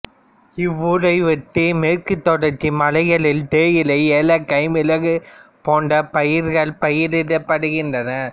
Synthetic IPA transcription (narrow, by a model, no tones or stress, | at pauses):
ɪʋːʊɾɐɪʋɐt̪ːimeːɾkɯt̪ːɔɽɐɾt͡ʃːimɐlɐɪɣɐɭɪlt̪eːjɪlɐɪeːlɐkːɐɪmɪlɐɣɯpoːɳɖɐpɐjɪɾɣɐɭpɐjɪɾɪɽɐpːɐɽɯɣɪndrɐnɐ